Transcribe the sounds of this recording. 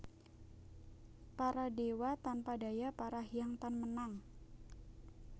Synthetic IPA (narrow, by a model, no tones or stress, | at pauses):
paɾadewat̪anpadajapaɾaɦiaŋt̪anmənaŋ